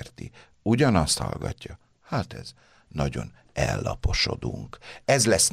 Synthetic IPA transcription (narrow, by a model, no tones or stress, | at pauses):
rt̪i | uɟɒnɒst̪hɒ̰lɡɒcːɒ | haːt̪ɛz | nɒɟo̞n | ɛlːɒpo̞ʃod̪uŋkɛzlɛs